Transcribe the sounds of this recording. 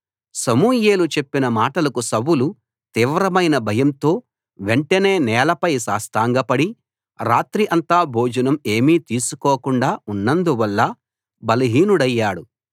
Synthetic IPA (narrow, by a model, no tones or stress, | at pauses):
sɐmuːjeːlut͡ʃe̞pːinɐmaːʈɐlɐkusɐwulu | t̪iːʋɾɐmɐjnɐbʱɐjɐmt̪o̞ː | ʋe̞ɳʈɐne̞ːnɛːlɐpɐjsa̰ːst̪aːŋɡɐpɐɽi | ɾaːt̪ɾiʔɐnt̪aːbʱoːd͡ʒɐnɐme̞ːmiːt̪iːsukɔːkuɳɖaːunːɐnd̪uʋɐlːɐ | bɐlɐɦiːnuɽɐjːaːɽu